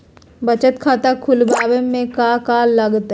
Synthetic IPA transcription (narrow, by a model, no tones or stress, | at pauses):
bɐt͡ʃət̪kʰaːt̪akʰʊlbaːbemẽkakaːlɐɡt̪